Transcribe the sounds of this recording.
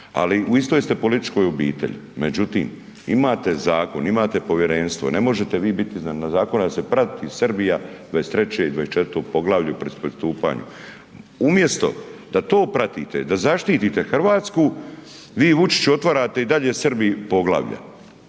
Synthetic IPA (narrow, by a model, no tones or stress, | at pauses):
a̰liuist̪ojest̪e̞po̞lit̪i̥t͡ʃko̞ːjobḭːt̪ḛʎḭmḛd͡ʑut̪ḭːm | imaːt̪e̞zaːko̞̰nimaːt̪e̞po̞ʋjeɾenst̪ʋo̞̰nemo̞ʒe̞t̪e̞ʋiːbit̪iznannazaːko̞nad̪ase̞pɾat̪t̪isrbijad̪ʋajest̪ɾe̞t͡ɕeid̪ʋaest͡ʃe̞t̪ɾt̪opo̞ɡlˠaʋlʎupɾespɾest̪uːpa̰ːɲṵ | umje̞st̪o̞̰d̪at̪o̞ːpɾat̪iːt̪ḛd̪azaʃt̪iːt̪it̪e̞xr̩ʋaːt̪sku | ʋiːʋut͡ʃi̥t͡ɕuo̞t̪ʋaɾaːt̪e̞id̪aʎesrbipo̞ɡlˠa̰ːʋʎa̰